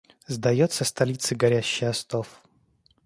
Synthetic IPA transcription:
zd̪ɐjot̪sːəst̪ɐlʲit̪sɨɡɐɾʲæɕːɪjɐst̪of

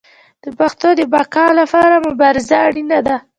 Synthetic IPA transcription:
d̪̥əpaxt̪od̪əbakɑlapɑɾamʊbɑɾɪzaːɽinad̪a

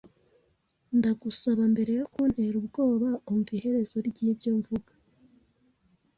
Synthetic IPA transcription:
ndaɡusaβambe̞ɾe̞jo̞kun̥he̞ɾubɡo̞ːβaomuvihe̞ɾe̞z̥o̞ɾɟiːbjoɱvuɡḁ

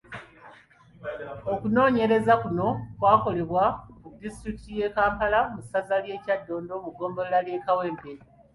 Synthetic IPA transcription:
o̞kuno̞ːɲe̞ɾe̞zakuno̞kwaːko̞le̞βwamudistɾiki̥tije̞kaːmpalamusazalje̞ːcadːo̞ːndo̞muɡo̞ːmboleɾalje̞ːkawe̞ːmbe

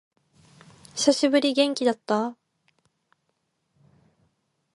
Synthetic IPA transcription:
ɕʰoɕibɯɾiɡe̞ŋk͈id̪at̚t͈a

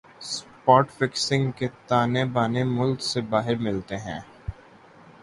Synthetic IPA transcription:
spɔːʈfɪksɪ̃ŋɡket̪aːnebaːnemʊlksebaːɦɪɾmɪlt̪eɦɛ̰̃ː

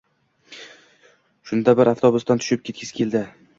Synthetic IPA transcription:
ʃʊnd̪abɪɾʔaft̪ʰɒbʊst̪ant̪ʰʊ̥ʃɪp̚kʲʰe̞t̪kʲʰɪskʲʰeld̪ɪ

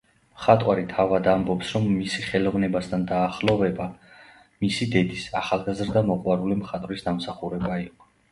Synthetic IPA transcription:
mχat̪ʼwaɾit̪ʰavad̪ambɔpsɾɔmːisiχɛlˠɔvnɛbast̪ʰand̪aːχlˠɔvɛba | misid̪ɛd̪isaχalˠɡazɾd̪amɔqʼwaɾulimχat̪ʼvɾisd̪amsaχuɾɛbaiqʼɔ̥

